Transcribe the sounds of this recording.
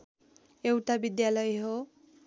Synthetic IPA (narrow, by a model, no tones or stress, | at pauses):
ewʈabid̪jalʌjɦo